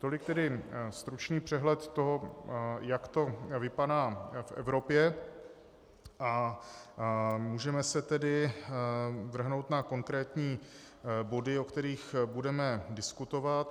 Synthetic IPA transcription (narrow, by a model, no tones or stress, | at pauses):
t̪o̞lɪk̚t̪ɛdɪst̪ɾut͡ʃniːpr̝̥ɛɦlɛt̪ːoɦojakt̪o̞vɪpadaːfʔɛ̰vɾo̞pjɛ | ʔa | muːʒɛmɛsɛt̪ɛdɪ | vr̩ɦno̞wt̪nako̞ŋkɾɛːt̪ɲiː | bo̞dɪo̞kt̪ɛɾiːxbudɛmɛdɪskut̪o̞vat̪